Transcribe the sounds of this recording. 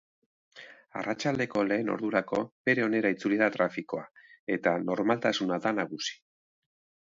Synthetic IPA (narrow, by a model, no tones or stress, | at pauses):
a̰rat͡ʃald̪e̞ko̞le̞ːno̞̰ɾðuɾako̞be̞ɾe̞o̞ne̞ɾait͡suliðat̪ɾafiko̞ae̞t̪ano̞ɾmalt̪asunaðanaɣusi̥